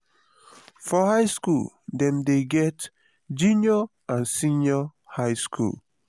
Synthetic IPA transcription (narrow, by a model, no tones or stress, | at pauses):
fɔhaɪskṵl | dɛ̃mdeɡɛt | d͡ʒũnɔ | ãnsĩnɔhaɪskʰṵl